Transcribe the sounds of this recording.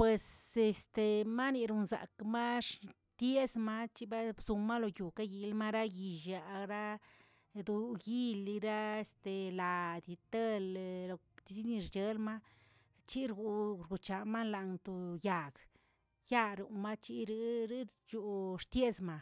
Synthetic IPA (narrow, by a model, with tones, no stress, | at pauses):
pwe˨se˨st̪e˨ma˦ni˧ɾu˧nza̰˨kma˦ʂ | t̪je˦zma˦t͡ʃi˦ba˦bzu˧ma˦lo˨ju˨ka˦ji˨lma˦ɾa˦ji˨ʒja˨ɾa˦ | d̪u˧ɡi˦li˧ɾa˦e˨st̪e˨la˨d̪i˧˨t̪e˦llo˨ | t̪i˧si˦ni˧ɾt͡ʃe˧lma˦ | t͡ʃi˦ɾɡu˨ɾɡu˨t͡ʃa˨ma˦nla˨nt̪u˧ja˨ɡ | ja˦ɾu˨ma˦t͡ʃi˦ɾi˦ɾi˦ɾju˨ʂt̪je˦zma˧